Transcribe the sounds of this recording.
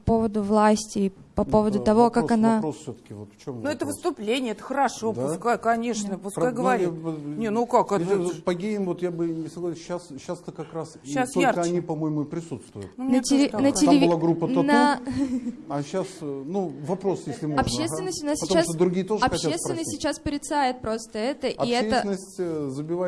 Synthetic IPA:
pɐpo̞vəd̪ʊvlˠasʲtʲɪpɐpo̞vəd̪ʊt̪ɐvo̞kaɐnaosfsʲot̪ə̥kʲɪvot̪ft͡ɕomnuɛt̪əvɨst̪ʊplʲenʲɪjəɛt̪ə̥xəɾɐʂod̪pʊskajkɐnʲeʂnəpʊskajɡəvɐɾʲinʲenukakɐpɐɡʲejʲɪmvot̪jabɨnʲɪsɐɡlˠasʲɕːasɕːast̪əkɐkɾasiasoaɾkəɐnʲipɐmojɪmupɾʲɪsut̪st̪vʊjʊ̰numnət̪ʲɪɪnətʲɪlʲɪvʲlˠaɡɾupːəɐna | ɐɕːasnuvɐpɾo̞sjesʲlʲɪmoɐpɕesvɪnːəsʲt̪ʲʊnasʲɐɪt̪ːasd̪ɾʊɡʲijət̪oʐɨɐpɐaest̪vʲɪnəsʲsːʲɪt͡ɕːaspəɾʲɪt̪sajɪt̪̚pɾo̞st̪əɛt̪əʔɐiɛetsəɪnəsʲtʲzəbʲɪva

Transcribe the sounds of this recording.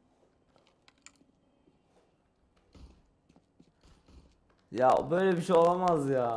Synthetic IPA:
jabøjlʲɛbiʃejolˠamazjaː

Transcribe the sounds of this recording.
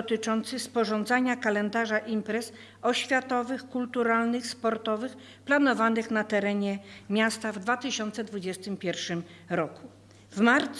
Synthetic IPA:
ɔt̪ɘt͡ʂɔnt̪sɘspɔʐɔnd̪zaɲakalɛnd̪aʐaʔimpɾɛs | ɔɕfʲjat̪ɔvɘxkult̪uɾalnɘxspɔɾt̪ɔvɘx | planɔvanɘxnat̪ɛɾɛɲɛmʲjast̪avd̪vat̪ɘɕɔnt̪sɛd̪vud͡ʑɛst̪ɘmpʲjɛɾfʂɘmɾɔku | vmaɾt̪s

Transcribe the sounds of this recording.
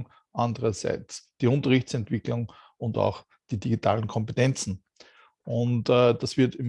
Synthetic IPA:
ŋ | ʔandəʁɐsa̰ɪt͡sd̥iːʊ̃ntəʁɪçt͡sɛntv̥ɪklʊŋ | ʊnta̰ʊx | d̥iːdiɡitʰaːlən̩kʰɔmpetɛnt͡sn̩ | ʔʊntːd̥asv̥ɪɐtɪm

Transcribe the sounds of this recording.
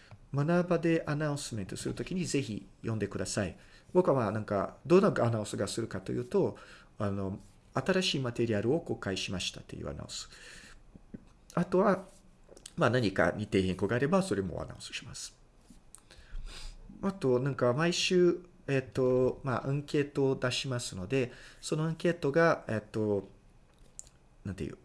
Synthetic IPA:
manabad̪e̞ʔanaɯ̃sɨmẽ̞nt̪o̞sɨɾɯ̟t̪o̞kʲiɲ̟ize̞çḭjʔõ̞nd̪e̞kɯ̟d̪asaḭ | bo̞kamaːnãŋka̰d̪o̞nːaanãɯ̃sɨɡasɨɾɯ̟kat̪o̞̰jɯ̟ːt̪o̞ | ano̞ | at̪aɾaɕiːmat̪e̞ɾʲiaɾɯ̟o̞ko̞kaiɕimaɕi̥t̪ḁt̪ːe̞̰jɯ̰a̰na̰ɯ̟̃sɨ̥ | at̪o̞βa | manaɲ̟ika̰ɲ̟it̪e̞ːhẽ̞ŋko̞ɡaːɾe̞baso̞ɾe̞mo̞̰a̰na̰ɯ̟̰̃sɨ̥ɕi̥masɨ̥ | at̪o̞nãŋkamaiɕɨː | et̪ːo̞ma̰ʔɯ̃ŋke̞ːt̪o̞ːd̪aɕimasɨno̞d̪e̞so̞no̞ãŋke̞ːt̪o̞ɡaet̪ːo̞ | nãnt̪ḛjɯ̟ː

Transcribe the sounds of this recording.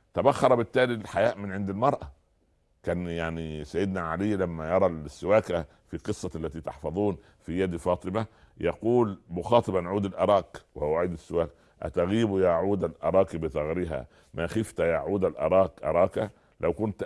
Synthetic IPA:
t̪æbæxːɑɾˤɑbɪt̪ːæːlilħajæːʔmɪnʕend̪ɪlmɑɾˤʔɑ | kæːnjaʕnisæjːɪd̪næʕaliːlæmːæjɑɾˤɑlsːɪwæːkæ | fiqɨsˤːɑʔælːæt̪iːt̪ɑħfɑðˤuːn | fijæd̪fɑːt̪ˤɨmæ | jɑquːlmʊxɑːt̪ˤɨbænʕuːd̪ɪlʔɑɾˤɑːkwhowwaʕiːd̪ɪsːɪwæːk | ʔæ̰t̪æɣiːbujaːʕuːd̪ælʔɑɾˤɑːkibɪθˤɑɣɾiɦæ̰ | mæxɪft̪jaːʕuːd̪ælʔɑ̰ɾˤɑːkʔɑ̰ɾˤɑːkæ | læwkʊnt̪

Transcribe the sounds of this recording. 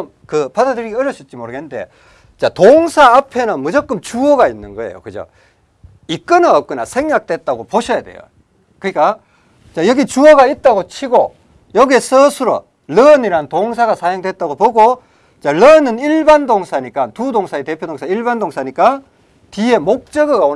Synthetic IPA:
m | kɯpadadɯɾiɡiʌɾjʌɕ͈ʰʌt̚t͡ɕ͈imoɾɯɡenɯnde̞̰ | t͡ɕatoŋsʰaːpʰe̞nɯnmʌd͡ʑʌk͈ɯmt͡ɕuʌɡainːɯnɡʌḛjo̰kɯd͡ʑo̰ | ik͈ɯnaʌp̚k͈ɯna̰sʰe̞ŋɡak̚t͈we̞t̚t͈aɡopoɕʰʌjade̞̰jo̰ | kɯnik͈a | t͡ɕajʌɡit͡ɕuʌɡait̚t͈aɡot͡ɕʰiɡo̰ | jʌɡesʰʌsʰuɾʌ̰ | lʌniɾantoŋsʰaɡasʰajoŋdwe̞t̚t͈aɡopoɡo | t͡ɕaɭʌnɯniɭbandoŋsʰaɲik͈antudoŋsʰaete̞pʰjodoŋsʰaiɭbandoŋsʰaɲik͈a | tie̞mok̚t͡ɕ͈ʌɡɯɡa

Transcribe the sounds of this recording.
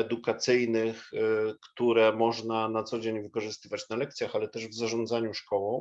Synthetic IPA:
ɛd̪ukat̪sɘjnɘxkt̪uɾɛmɔʐnanat̪sɔd͡ʑeɲvɘkɔʐɘst̪ɘvat͡ɕnalɛk̚t̪sʲjaxalɛt̪ɛʐvzaʐɔ̃nd̪zaɲuʂkɔwɔ̃w̃

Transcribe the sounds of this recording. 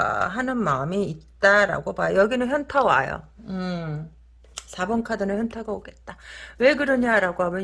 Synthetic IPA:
ɦanɯnmaɯmiːt̚t͈aɾa̰ɡobajjʌɡinɯnçjʌntʰawa̰jo̰ɯ | sʰabʌŋkʰadɯnɯnçjʌntʰaɡaoɡe̞t̚t͈awe̞ɡɯɾɯɲaɾaɡoɦawe

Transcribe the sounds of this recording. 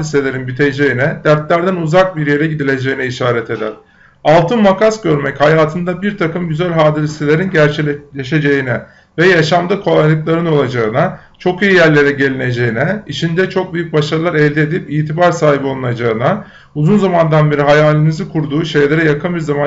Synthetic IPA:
lʲiselʲe̞ɾinbit̪ʰejd͡ʒe̞jinɛd̪̥æɾt̪lʲæɾd̪ænuzak̚biɾje̞ɾɛɟid̪ilʲe̞d͡ʒe̞jinɛiʃaːɾɛt̪ʰe̞d̪æ̰ɾ̥ | alˠt̪ʰɯnmakasɟøɾmɛchajaːt̪ʰɯnd̪abiɾt̪ʰakɯmɟyzælʲɦaːd̪ɯlʲist̪elʲe̞ɾinɟæɾt͡ʃʰilʲeʃe̞d͡ʒe̞jinɛ | vɛjaʃamd̪akʰo̞lˠajlˠɯklˠaɾɯno̞lˠad͡ʒaɯna | t͡ʃʰo̞kijijæɾlʲe̞ɾɛɟe̞lʲine̞d͡ʒe̞jinɛit͡ʃʰind̪ɛt͡ʃʰo̞k̚byjyc̚baʃaɾɯlˠaɾɛlʲd̪ie̞d̪ipiːt̪ʰibaɾsaːɦibo̞lˠunad͡ʒaɯna | uzunzamand̪anbeɾiɦajaːlʲinizɯkʰuɾd̪uːʃe̞jlʲe̞ɾɛjakʰɯnbiɾzama

